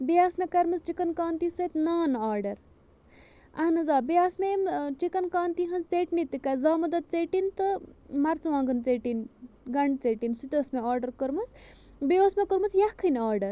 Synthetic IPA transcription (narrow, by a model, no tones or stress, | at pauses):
bijaːsmekɐɾmɐst͡ʃikɐnkaːnt̪isɐt̪naːnaːɾɖɐɾ | ɐnɐzaːbijaːsmemt͡ʃikɐnkaːnt̪iɦɐnzt͡seʈnit̪ikɐzaːmɐd̪ɐt̪̚t͡seʈint̪ɨmɐɾt͡sɐʋãːŋɡɨnt͡seːʈin | ɡɐɳɖt͡seʈinsut̪ʲosmeaːɾɖɐɾkəɾmɐs | bioːsmekəɾmɐsjakʰɨnaːɾɖɐɾ